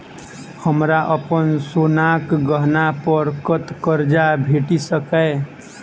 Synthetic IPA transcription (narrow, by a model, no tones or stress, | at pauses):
həmɾaʔəpənsonakɡəɦnapəɾkət̪kəɾd͡ʒabʱeʈisəkəɪ